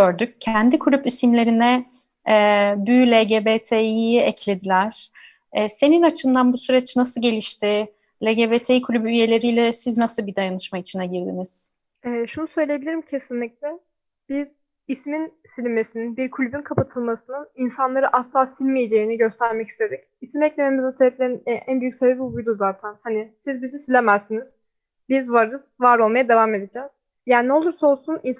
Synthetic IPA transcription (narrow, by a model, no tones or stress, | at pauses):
ɟøɾd̪yc̚cʰænd̪ikʰulʲypisimlʲe̞ɾinɛ | ɛːbyːlʲeɟebet̪ʰejiɛcʰlʲe̞d̪ilʲæɾ̥ | ɛːse̞ninat͡ʃʰɯnd̪anbusyɾɛt͡ʃnasɯɟe̞lʲiʃt̪ʰɪ | lʲeɟebeːt̪ʰejikʰulʲybyyje̞lʲe̞ɾijlʲɛsiznasɯbid̪ajanɯʃmait͡ʃʰinaɟiɾd̪ḭniz̥ | ɛːʃunusø̞jlʲejebilʲiɾimcʰe̞sinlʲic̚lʲɛ | b̥iz̥ | ismin | silʲime̞sininbiɾkʰulʲybynkʰapʰat̪ʰɯlˠmasɯnɯninsanlˠaɾɯʔaslˠasilʲmije̞d͡ʒe̞iniɟø̞st̪ʰæɾmɛci̥st̪ʰe̞d̪ic | isimɛclʲe̞me̞mizɛsebɛp̚lʲeɾinʔænbyjycʲsebebibujd̪uzaːt̪ʰænhanisizbizisilʲemæzsiniz̥ | bizvaɾɯz̥vaɾo̞lˠmajad̪evaːme̞d̪ed͡ʒɛːz̥ | jaːnnɛolˠuɾsao̞lˠsunins